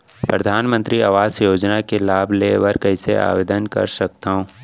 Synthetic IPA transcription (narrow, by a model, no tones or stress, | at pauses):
pɾɐd̪ʱaːnmə̃nt̪ɾiaʋaːzjoːd͡ʒnakelaːbʱleːʋəɾkəɪsea̰ːʋeːd̪ənkɐ̰ɾsɐk̚t̪aɦõː